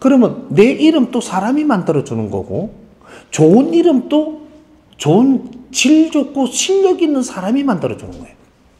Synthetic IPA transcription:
kɯɾʌmjʌnːe̞ʔiɾɯmt͈osʰaɾamimandɯɾʌd͡ʑunɯnɡʌ̰ɡo̰ | t͡ɕoɯniɾɯmt͈o | t͡ɕoɯnt͡ɕiʎd͡ʑok̚k͈ʰoɕʰiʎːʌɡinːɯnsʰaɾamimandɯɾʌd͡ʑunɯnɡ̥ʌjeo

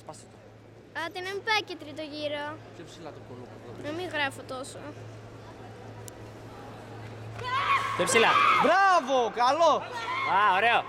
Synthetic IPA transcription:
spɐst̪et̪o | ɐt̪inempɐcet̪ɾit̪oʝiɾo | opsilɐt̪opolopɐt̪onɐmiɣɾɐfot̪o̞so̰ | tepsilɐbɾavokɐloaoɾeo

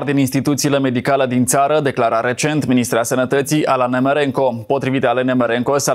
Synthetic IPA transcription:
rd̪ininst̪it̪ut̪sile̞me̞d̪ikaləd̪int̪saɾəd̪e̞klaɾaɾe̞t͡ʃe̞nt̪minist̪ɾeasənət̪ət̪sijʔalanemeɾeŋko̞po̞t̪ɾivit̪əalenemeɾeŋkosa

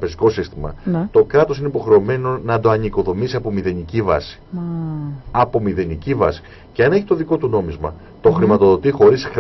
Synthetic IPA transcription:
peziko̞sist̪imɐ̰nt̪o̞kɾɐt̪o̞sineipo̞xɾe̞ome̞no̞nɐd̪o̞ɐniko̞ðo̞misiɐpo̞miðe̞nicivɐ̰si̥ | ɐpo̞miðe̞nicivɐ̰si̥ | ce̞ɐne̞çi̥t̪o̞ðiko̞t̪uno̞mizmɐ̰ | t̪o̞xɾimɐt̪o̞ðo̞t̪ixo̞ɾis

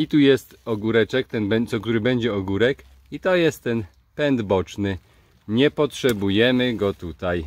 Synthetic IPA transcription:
it̪ujɛst̪ɔɡuɾɛt͡ʂɛkt̪ɛnbɛt̪sɔk̚t̪uɾɘbɛɲd͡ʑɛɔɡuɾɛk | it̪ɔjɛst̪ːɛn | pɛnd̪bɔt͡ʂnɘ | ɲɛpɔtʂɛbujɛmɘɡɔt̪ut̪aj

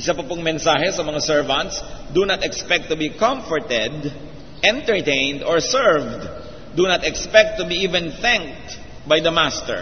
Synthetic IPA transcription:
ʔɪsapɐpʊŋmɛnsaːhɛsɐmɐŋasɛɹvɐ̃nt̪sd̪unɐt̪ɛkspɛk̚t̪ːʊbikɐ̃mfɔɹt̪ɛd̪ | ʔɛ̃nt̪ɛɹt̪ẽjnd̪ɔɹsɛɹvd̪ | d̪unɐt̪ɛkspɛk̚t̪ːʊbiʔivɛ̃nθɛ̃ŋk̚t̪ | bajd̪ɐmast̪ɛ̰ɹ

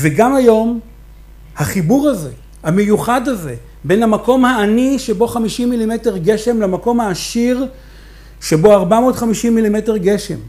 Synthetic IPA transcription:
veɡamajo̞m | haχibuʁaze̞̰ | hamejuχadhaze̞̰ | be̞nhamako̞mhaːniʃebo̞χamiʃimːilime̞te̞ʁɡe̞ʃe̞mlamako̞mhaːʃiʁ | ʃebo̞aʁbamo̞ːtχamiʃimːilime̞te̞ʁɡe̞ʃe̞̰m

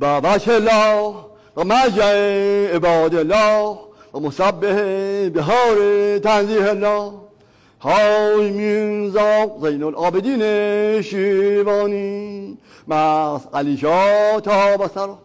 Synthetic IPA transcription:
bavaʃelɔ | bamad͡ʒaeebɔːd̪elɔbamosabːehebeɦɔːɾet̪anzihelːɔ | hɔjminzɔqzejnolʔɔːbed̪ineʃivɔːni | masaliʃɔt̪ʰɔbasaɾo

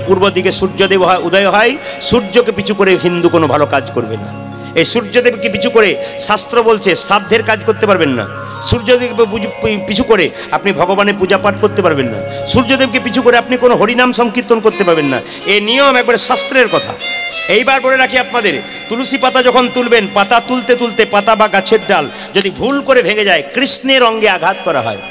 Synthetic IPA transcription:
puɾbod̪ikeʃuɾd͡ʑod̪ebɦɔeud̪ajoɦɔj | ʃuɾd͡ʑokep̬it͡ɕʰukoɾeɦind̪ukonobʱalokad͡ʑkoɾbḛna̰ | ejʃuɾd͡ʑod̪ebkep̬it͡ɕʰukoɾeʃast̪ɾobolt͡ɕʰeʃad̪ʱeɾkad͡ʑkoɾt̪epaɾbenːa̰ | ʃuɾd͡ʑod̪eupit͡ɕʰukoɾe | apnibʱɔɡobanepud͡ʑapaʈkoɾt̪epaɾbenːa̰ʃuɾd͡ʑod̪eb̚k̬ipit͡ɕʰukoɾeapnikonoɦoɾinamʃɔŋkit̪onkoɾt̪epaɾbenːa̰ | eniomɛk̚baɾeʃast̪ɾeɾkɔt̪ʰa̰ejbaɾbʱoɽeɾakʰiapnad̪eɾ | t̪ulusipat̪ad͡ʑɔkʰont̪ulbenpat̪at̪ult̪et̪ult̪epat̪abaɡat͡ɕʰeɾɖal | d͡ʑod̪ibʱulkoɾebʱeŋed͡ʑaekɾisneɾɔŋɡeaɡʱat̪kɔɾa̰ɦɔ̰e

